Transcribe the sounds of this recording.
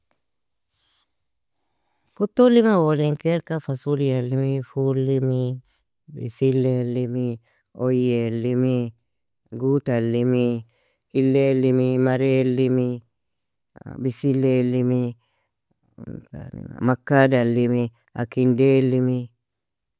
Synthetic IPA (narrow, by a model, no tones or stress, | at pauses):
kut̪ːolimawoliŋkeɾkafasulialːimifulimi | bisilːelːimi | ojelːimi | ɡut̪alːimi | ilːelːimimaɾelːimi | bisilːelːimi | a̰nḭma̰makːadalːimi | a̰kindelːimi